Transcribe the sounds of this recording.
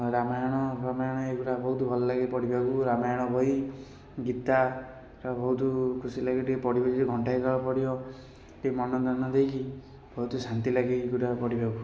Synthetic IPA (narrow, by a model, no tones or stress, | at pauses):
ɾamajɔɽ̃ɔɾamajɔɽ̃ɔeɡuʈabɔɦut̪ubʱɔlɔlaɡipɔɽibʱaɡuɾamajaɽ̃ɔbʱɔj | ɡit̪a | ɾɔbɔɦut̪ukʰusilaɡiʈiepɔɽibɔd͡ʒiɾiɡʱɔɳʈajkaɭɔpɔɽibɔ | temɔnɔd̪anɔd̪ejki | bʱɔɦut̪usant̪ilaɡiɡuʈapɔɽibʱaɡu